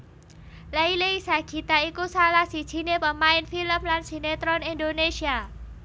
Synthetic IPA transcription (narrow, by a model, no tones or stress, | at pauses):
laileisaɡ̥i̤t̪aikusalahsid̥ʒ̥i̤nepəmaɪnfiləmlansinet̪ɾɔnindonesia